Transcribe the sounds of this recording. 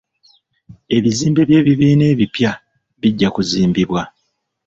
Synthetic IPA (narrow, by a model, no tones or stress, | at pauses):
e̞βiziːmbeβje̞ːβiβiːne̞ːβipja | βiɟːakuziːmbiβwa